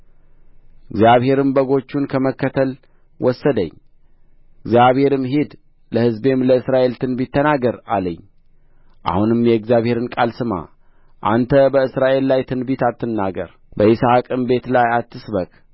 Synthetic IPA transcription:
ɨɡzjaβhe̞ɾɨmbəɡo̞t͡ʃːunkʰəməkːət̪ʰəl | wɔsːəd̪ə̰ɲː | ɪɡzjaβhe̞ɾɨmɦed̪ | ləhɨzbe̞mləɨsɾaʔe̞lt̪ʰɨnbit̪ʰːənaɡəɾa̰ləɲː | ʔa̰hunɨmjɛɨɡzijaβhe̞ɾɨnkʼalsɨma̰ | ʔa̰nt̪ʰəbəɨsɾaʔe̞lːajt̪ʰɨnbit̪at̪ːɨnːaɡə̰ɾ | bəɪsakʼɨmbe̞t̪lajat̪ʰːɨsbəkʼ

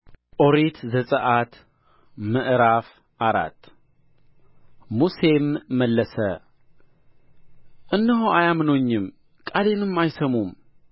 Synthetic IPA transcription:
ʔo̞ɾet̪zəsʼəʔat̪ | məʔɾaf | ʔaɾa̰t̪ː | muse̞mːəlːəsə | ʔɨnːɨɦoajamɨnoɲːɪm | kʼad̪enɨmːajsəmum

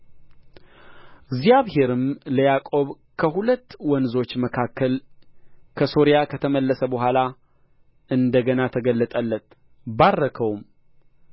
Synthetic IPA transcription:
ɡzjaβhe̞ɾɨmləjakʼo̞β | kʰəhulət̪ːwɔnzo̞t͡ʃːməkʰakːəl | kʰəso̞ɾijakʰət̪ʰəməlːəsəbəɦʷala | ɨnd̪əɡənat̪ʰəɡəlːət̪ʼəlːət̪ | barːəkʰəwum

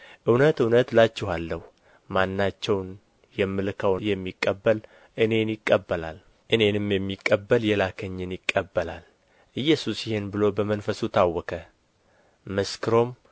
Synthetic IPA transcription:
ʔɨwnət̪ɨwnət̪lat͡ʃːɛɦalːəhu | manːat͡ʃːɛwn | jɛmːɨlkʰəwjɛmːikʼːəbːəl | ʔɨne̞njɪkʼːəbːəla̰l | ʔɨne̞nɨmjɛmːikʼːəbːəljɛlakʰəɲːɪnjɪkʼːəbːəla̰l | ʔɨjːɛsusjɪhenbɨlo̞bəmənfəsut̪ʰawːɔkʰə | mɨskʰɨɾo̞m

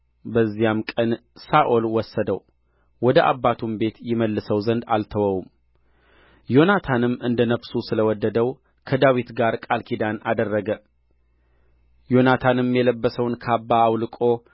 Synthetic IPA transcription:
bəzːijamkʼənsaʔolwɔsːəd̪əw | wɔd̪əʔa̰bːat̪ʰumbe̞t̪jɪməlːɨsəwzənd̪a̰lt̪ʰəwəwum | jo̞nat̪ʰanɨmːɨnd̪ənəfsusɨləwɔd̪ːəd̪əw | kʰəd̪awit̪ɡaɾkʼalkʰid̪anad̪ərːəɡə | jo̞nat̪ʰanɨmjɛləbːəsəwnkʰəabːaːwlɨkʼo̞

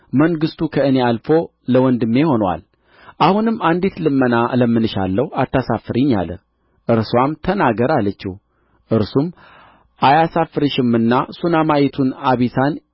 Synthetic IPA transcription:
məŋɡɨst̪ʰukʰəɨne̞alfo̞ | ləwɔnd̪ɨmːe̞ho̞nwa̰l | ʔahunɨmːand̪et̪lɨmːənaləmːɨnɨʃa̰lːəhat̪ːasafːɨɾiɲːa̰lə̰ | ʔɨɾswamt̪ʰənaɡəɾalət͡ʃːḭ | ʔɨɾsum | ʔajasafɨɾɨʃɪmːɨnːasunamajet̪ʰunaβisan

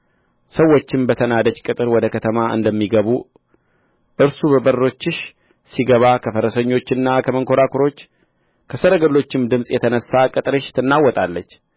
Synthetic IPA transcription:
səwːo̞t͡ʃːɪmbət̪ʰənad̪ət͡ʃkʼɨt̪ʼɨɾwɔd̪əkʰət̪ʰəmaɨ̰nd̪əmːiɡəβu | ʔɨɾsubəbərːo̞t͡ʃːɨʃ | siɡəβakʰəfəɾəsəɲːo̞t͡ʃːɪnːakʰəməŋkʰo̞ɾakʰuɾo̞t͡ʃː | kʰəsəɾəɡəlːo̞t͡ʃːɪmd̪ɨmsʼjɛt̪ʰənəsːakʼɨt̪ʼɾɨʃt̪ʰɨnːawɔt̪ʼalːət͡ʃː

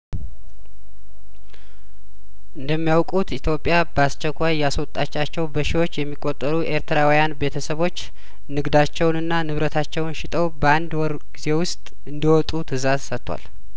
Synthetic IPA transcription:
ʔɨnd̪əmːijawkʼut̪it̪ʰjopʼːjabəast͡ʃːɛkʷʰːajːaswɔt̪ʼːat͡ʃːat͡ʃːɛwbəʃiwo̞t͡ʃːjɛmːikʼːot̪ʼːəɾuʔe̞ɾt̪ʰɾawijanbe̞t̪ʰəsəβo̞t͡ʃː | nɨɡd̪at͡ʃːɛwnɨnːanɨβɾət̪ʰat͡ʃːɛwnʃɪt̪ʼʰəwbəand̪wɔɾ | ɡize̞wʊst̪ʼ | ɨnd̪əwɔt̪ʼut̪ʰɨzazsət̪ʰːwa̰l

